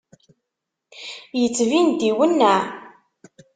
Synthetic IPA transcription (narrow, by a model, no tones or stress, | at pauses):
jət͡sːvind̪iwənːæ